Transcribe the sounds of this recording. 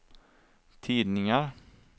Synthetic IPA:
t̪ʰiːd̪nɪŋaɾ

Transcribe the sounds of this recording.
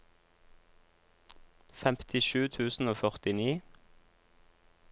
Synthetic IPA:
fɛmt̪ʰɪʃʉːt̪ʰʉːsn̩oːfœʁt̪ɪniː

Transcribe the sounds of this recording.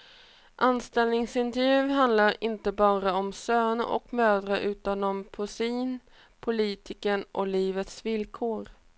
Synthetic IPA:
ʔanst̪ɛlnɪŋsɪnt̪ɛɾvjʉ̟ːɦand̪laɾɪnt̪əbɑːɾaɔmsøːnə̰ʔɔ̰kmøːd̪ɾaʔʉ̟ːt̪anɔmpʰʊsiːn | pʰʊliːt̪ʰɪkənʔɔ̰liːvət̪svɪlkʰoːɾ

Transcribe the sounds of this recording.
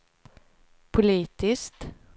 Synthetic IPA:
pʰʊliːt̪ɪskt̪

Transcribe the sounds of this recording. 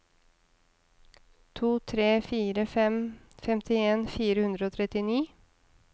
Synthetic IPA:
t̪ʰuːt̪ʰɾeːfiːɾəfɛm | fɛmt̪ʰɪeːnfiːɾəhʉnd̪ɾəoːt̪ʰɾɛt̪ɪniː

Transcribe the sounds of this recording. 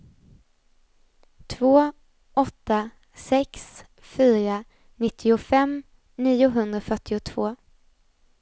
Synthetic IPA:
t̪ʰvoː | ʔɔt̪ːa | sɛks | fyːɾa | nɪt̪ʰːɪʊfɛm | niːʊɦɵnd̪ɾafœʈːɪʊt̪ʰvoː

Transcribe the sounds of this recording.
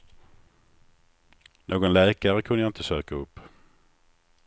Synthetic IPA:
nʔoːɡɔnlɛːkaɾəkʰɵnəjaɪnt̪əsøːkaɵpː

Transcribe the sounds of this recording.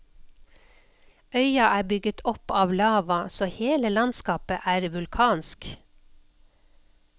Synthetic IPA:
œʏɑʔæːbʏɡət̪ʰɔpɑːʋlɑːʋɑsoːheːləlɑnskɑːpə̰ʔæːɾʋʉlkʰɑːnsk

